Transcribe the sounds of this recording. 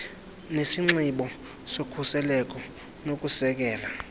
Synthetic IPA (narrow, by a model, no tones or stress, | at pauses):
nesiŋ͡ǀiɓɔ | sokʰusɛlɛk̬ʼɔ | nok̬ʼusɛk̬ɛːla